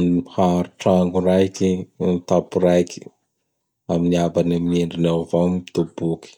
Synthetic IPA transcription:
haɾuʈ͡ʂaŋɡuɾajkint̪apuɾajkʰi̥ | aminiabanameɳɖ͡ʐinawvamt̪ubuki̥

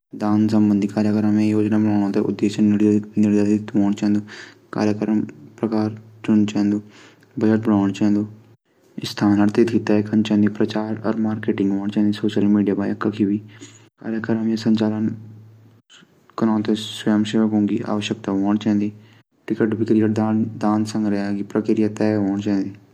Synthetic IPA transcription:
d̪aːnsəmbənd̪ʱiːkaːɾjəkəɾəmẽːjoːd͡ʒnaːbənaːñãːt̪ḛːʔʊ̰d̪ːeːʃənɾnɪɾd̪aːt̪t̪ʋoːɳt͡ʃɛ̃ːnd̪uː | ka̰ːɾjəkəɾəmpɾəkaːɾt͡ʃʊnt͡ʃɛɛ̃nd̪uː | bəd͡ʒəʈ̚bəɽaːɳt͡ʃaɛ̃nd̪uː | ɪst̪ʰaːnəɾt̪et̪kɪt̪ːaɛkənt͡ʃɛ̃ːnd̪iːpɾət͡ʃaːɾɔ̰ːɾmaːɾkeːʈɪ̃ŋɡɦoːɳt͡ʃãːnd̪iːsoːʃəlmiːɖijaːbaːjəkːakʰibiː | ka̰ːɾjəkəɾəmjeːsəɲt͡ʃaːlən | kənãːnt̪esjəmʃeːʋəkɦõːŋɡḭːʔa̰ːʋəʃjək̚t̪aːɦoːɳt͡ʃɛ̃ːnd̪iː | ʈɪkəʈbʱɪkɾijəʈd̪ad̪aːnsə̃ŋɡɾɛaːɡipɾəkɪɾɪjat̪ɛːɦoːɳt͡ʃãːnd̪iː

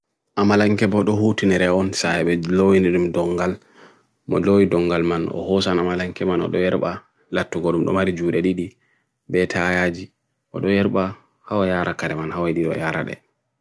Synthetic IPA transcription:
ʔamalaŋkɛbɔɗɔhutinɛɾɛɔnsaɛɓɛlowiniɗumdɔŋɡal | mɔ̰lowidɔŋɡalmanɔ̰hɔsanamalaŋkɛmanɔ̰ɗɔjɛɾɓa | latːuɡoɗumɗɔ̰maɾid͡ʒuːɾɛɗiɗi | bɛtʰajad͡ʒi | ʔɔ̰ɗɔjɛɾɓa | hawajaːɾakaɾɛmanhawaɗiɗɔ̰jaɾa̰ɗɛ̰

